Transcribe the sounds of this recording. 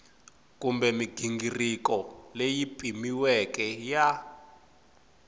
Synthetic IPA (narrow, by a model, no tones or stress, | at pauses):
kumbɛmiɡ̥ʱiŋɡirikɔlejipʼimiwɛkʼɛja